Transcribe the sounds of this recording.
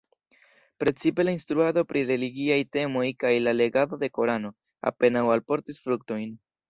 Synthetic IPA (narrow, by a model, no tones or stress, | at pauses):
pɾe̞t͡sipe̞lainstɾuado̞pɾʔiɾe̞liɡiajte̞mo̞jkajlale̞ɡado̞de̞ko̞ɾano̞ | a̰pe̞nawalpo̞ɾtisfɾukto̞jn